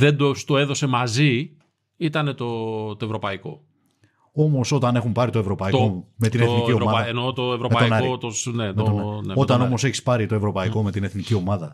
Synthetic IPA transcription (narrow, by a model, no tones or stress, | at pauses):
ðe̞d̪ost̪oe̞ðo̞se̞mɐzi | it̪ɐne̞t̪o̞t̪oe̞vɾo̞pɐiko̞̰ | o̞mo̞so̞t̪ɐne̞xumpɐɾit̪o̞e̞vɾo̞pɐit̪omeineeniciomɐenot̪oevɾomepɐonɐot̪osnemet̪onnot̪ɐno̞mo̞se̞çi̥spɐɾit̪o̞e̞vɾo̞pɐiko̞me̞t̪ineθnicio̞mɐðɐ